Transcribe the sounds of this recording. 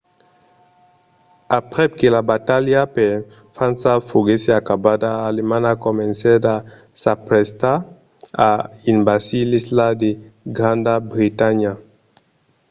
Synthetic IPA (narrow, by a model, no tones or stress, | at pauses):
apʁɛkelabataljapɛ | fãnsafoɡeseakabadaːlemãnakɔmɛ̃nsɛta | sapɾɛst̪a | ainbasilislad̪eɡʁãnd̪abʁitaɲa